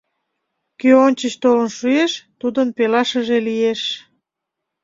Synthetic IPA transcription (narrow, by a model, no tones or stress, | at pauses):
køonʲt͡ɕəɕt̪olənʃueʃt̪ud̪ənpelɑʃəʒelijeʃ